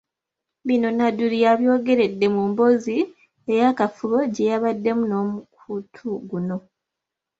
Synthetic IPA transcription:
βino̞naduliaβjo̞ːɡe̞ɾe̞dːe̞mumbo̞zi | e̞jakafuβo̞ɟe̞jaβadːe̞muno̞ːmukʰutʰuɡuno̞

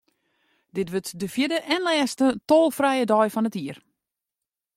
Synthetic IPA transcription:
dɪtʋøtdəfjɪdəʔɛnlɛːstətoːlˠfrɛjədɔjfɔnətiər

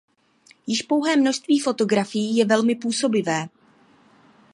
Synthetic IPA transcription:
jɪʃpo̞wɦɛːmno̞ʃst̪viːfo̞t̪o̞ɡɾafɪjiːjɛvɛlmɪpuːso̞bɪvɛː

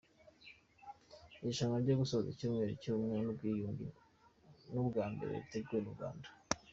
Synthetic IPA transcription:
iʃaŋaɾɟoɡusozicuːmŋe̞ɾicumŋenubɡiːjuŋɡḭ | nuβɡaːmbe̞̰ɾḛβute̞ɡujenuɡa̰ːndḁ

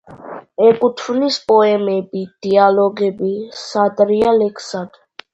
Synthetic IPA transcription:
ɛkʼut̪ʰwnispʼɔɛmɛbid̪̥ialɔɡɛbisat̪ʼɾialɛkʰsad̪

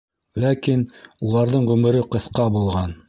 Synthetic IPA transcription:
lækinulˠɑɾðɤɴʁʉmɘ̆ɾɘqɤ̆θqɑbulˠʁɑn

